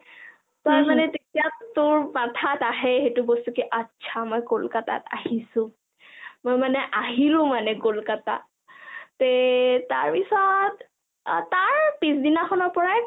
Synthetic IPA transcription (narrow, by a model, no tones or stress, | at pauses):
tɔjmanɛtetijatʊɹmatʰataɦɛxetubostukiʔətːʃʰamɔjkolkata̰ta̰ɦisʊ̃ | mojmanɛʔaɦilʊ̃manɛkolkata̰ | teta̰ɹpisɔt | taɹpisdinaxʰɔnɔɹpɔɹaj